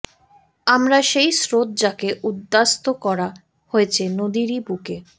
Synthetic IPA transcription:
amɾaʃejsɾot̪̚d͡ʑakeʔud̪ːast̪okɔɾa | hoet͡ɕʰenod̪iɾibuke

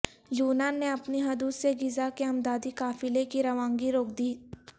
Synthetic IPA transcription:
juːnaːnːeɐpniɦɐd̪uːsseɡɪzakeɐmd̪aːd̪ikaːfɪlekiɾɐʋãːŋɡiɾoːk̚d̪iː

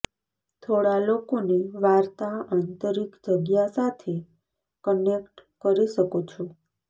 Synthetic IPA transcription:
t̪ʰoɽalokoneʋaɾt̪aant̪əɾikd͡ʒəɡjasat̪ʰe | kənekʈkəɾiʃəkot͡ʃʰo

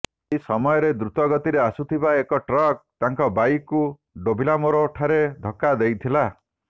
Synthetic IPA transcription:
isɔmɔjɔɾed̪ɾut̪ɔɡɔt̪iɾeasut̪ʰibaekɔʈɾɔk̚t̪aŋkɔbajkːu | ɖobʱilamoɾɔːʈʰaɾed̪ʱɔkːad̪ejt̪ʰila

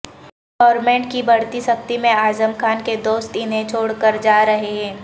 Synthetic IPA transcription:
ɡɔːɾmɛ̃ːɳʈkibɐɽt̪isɐk̚t̪imẽaːzəmkʰaːnked̪oːst̪ɪnɦẽt͡ʃʰoːɽkəɾd͡ʒaːɾɐɦeɦɛ̃ː

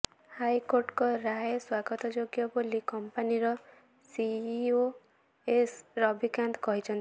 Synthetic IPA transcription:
hajkoɾʈkɔɾaeswaɡɔt̪ɔd͡ʒoɡjɔbolikɔmpaniɾɔ | sio | esɾɔbʱikand̪ɔkɔɦit͡ʃʰɔnt̪i

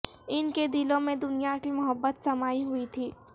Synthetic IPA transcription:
ɪnked̪ɪlõmẽd̪ʊnijakimʊɦəbːət̪sɐmaːiɦʊit̪ʰiː

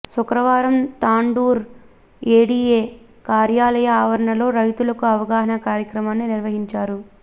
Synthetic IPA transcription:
sukɾɐʋaːɾɐmt̪aːɳɖuːɾ | eːɽiːeː | kaːɾjaːlɐjɐːʋɐɾɐɳɐlo̞ːɾɐjt̪ulɐkuɐʋɐɡaːɦɐnɐkaːɾjɐkɾɐmaːnːiniɾʋɐɦiɲt͡ʃaːɾu

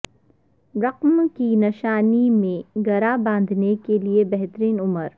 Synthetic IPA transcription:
ɾɐqmkinɪʃaːnimẽɡɐɾabãːnd̪ʱnekeliebɛɦt̪ɾiːnʊməɾ

